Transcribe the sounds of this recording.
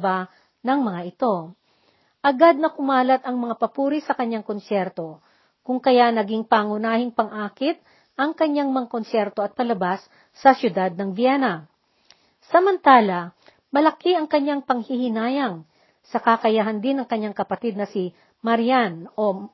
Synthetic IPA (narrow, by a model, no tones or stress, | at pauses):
ba | nɐŋmɐŋaʔɪt̪o̞ | ʔɐɡad̪̚nɐkʊmaːlɐt̪ɐŋmɐŋapɐpuːɾisɐkɐɲːaŋkonsɛɾt̪o̞ | kʊŋkɐjanɐɡiŋpaŋʊnaːhɪŋpɐŋʔaːkɪt̪̚ | ʔɐŋkɐɲaŋmɐŋakonsjɛɾt̪o̞ɐt̪̚pɐlɐbasː | ɐsjʊd̪ad̪̚nɐŋbjɛnɐ | sɐmɐnt̪aːlɐ | mɐlɐkiʔɐŋkɐɲːaŋpɐŋhɪhɪnaːjɐŋ | sɐkakɐjaɦɐnd̪ɪnɐŋkɐɲːaŋkɐpɐt̪id̪̚nɐsi | mɐɾjanʔo̞